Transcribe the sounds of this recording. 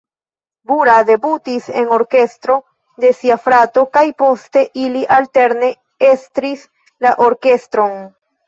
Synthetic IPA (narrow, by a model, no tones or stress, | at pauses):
buɾade̞butise̞̰no̞ɾke̞stɾo̞ | de̞siafɾato̞kajpo̞ste̞ʔiliʔalte̞ɾne̞ | e̞stɾis | laʔoɾke̞stɾo̞n